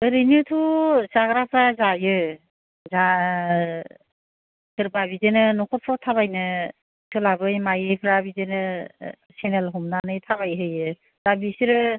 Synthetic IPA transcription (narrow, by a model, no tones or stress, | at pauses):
ɯɾɯjnutʰusaɡɾapʰɾazajɯ | za | sɯɾbabizenɯnɔkʰɔpʰɾɔtʰaβajnɯ | tʰulabɯjmajɯjpʰɾabizenɯ | senelɦumnanɯjtʰaβajɦɯjɯ | z̥abisiɾɯ